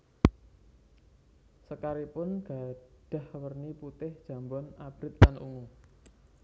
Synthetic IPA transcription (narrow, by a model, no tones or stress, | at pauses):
səkaɾipʊnɡ̥a̤d̥a̤hwərniput̪ɪhd̥ʒ̥a̤mbɔnab̥ɾɪt̪̚kanʔṵŋu